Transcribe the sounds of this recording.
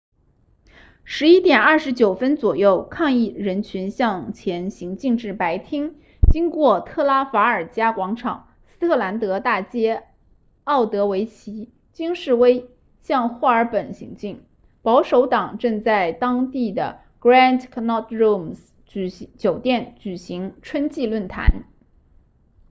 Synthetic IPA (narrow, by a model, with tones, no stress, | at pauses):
ʂɻ̩˧˥i˥t̪jɛ˨˩nɐ˞˥˩ʂɻ̩˧˥t͡ɕjo˨˩ʊfə˥nt͡swɔ˨˩jo˥˩ʊkʰɑ˥˧ŋi˥˩ɻə˧˥nt͡ɕʰy˧˥nɕjɑ˥˧ŋt͡ɕʰjɛ˧˥nɕi˧˥ŋt͡ɕi˥˧ŋʈ͡ʂɻ̩˥˩pa˧˥ɪt̪ʰi˥ŋ | t͡ɕi˥ŋkwɔ˥˧t̪ʰɤ˥˩la˥fa˧˥ə˞˨˩t͡ɕja˥kwɑ˧˥ŋʈ͡ʂʰɑ̰˨˩˦ŋ | sɹ̩˥t̪ʰɤ˥˩la˧˥nt̪ɤ˧˥t̪a˥˩t͡ɕjɛ˥ | ɑ˥˩ʊt̪ɤ˧˥we˧˥ɪt͡ɕʰi˧˥ | t͡ɕi˥ŋʂɻ̩˥˩we˥ɪ | ɕjɑ˥˧ŋxwa˥˩ə˞˧˥pə˨˩nɕḭ˧˥ŋt͡ɕi˥˩ŋ | pɑ˧˥ʊʂo˧˥ʊt̪ɑ˨˩ŋʈ͡ʂɤ˥˧ŋt͡sa˥˩ɪt̪ɑ˥ŋt̪i˥˩d̪ə̰˩ | kɹa˥˧ndkʰnɔ˥˩tɹu˥˩ms | t͡ɕt͡ɕjo˨˩ʊt̪jɛ˥˩nt͡ɕy˨˩ɕi˧˥ŋʈ͡ʂʰwə˥nt͡ɕi˥˧lwə˥˩nt̪ʰa̰˧˥n